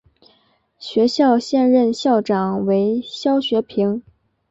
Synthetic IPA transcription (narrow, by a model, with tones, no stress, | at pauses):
ɕɥɛ˧˥ɕjɑ˥˧ʊɕjɛ˥˧nɻə˥˧nɕjɑ˥˩ʊʈ͡ʂɑ˨˩ŋwe˧˥ɪɕjɑ˥ʊɕɥɛ˧˥pʰi˧˥ŋ